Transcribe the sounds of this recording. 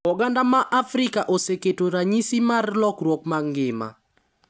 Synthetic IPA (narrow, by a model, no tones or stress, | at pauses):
ɔɡandamaʔafɾɪkaʔoseketoɾaɲisimarlɔkɾwɔkmaŋɡɪma̰